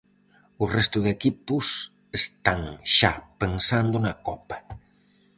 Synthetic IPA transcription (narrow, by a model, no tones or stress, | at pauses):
ʊrɛst̪ʊðekipʊs | est̪aŋʃa̰pensand̪ʊnɐkɔpɐ̥